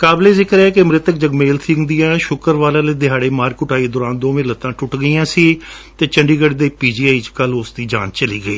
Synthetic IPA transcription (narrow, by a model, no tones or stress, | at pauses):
kaːbleːzɪkəɾɛːkɪmɾɪt̪ək̚d͡ʒəɡmeːlt̪ʰiːknd̪iːãːʃʊkəɾʋaːlãːleːd̪ɪɦaːɽeːmaːɾkʊʈaːiːd̪ɔoːɾãːnd̪õːmɪlət̪ãːʈʊʈɡəiːãːsiːt̪eːt͡ʃəɳɖiːɡəɽd̪eːpiːd͡ʒiːaːiːt͡ʃkəlʊsd̪iːd͡ʒa̰ːnt͡ʃəliːɡəḭː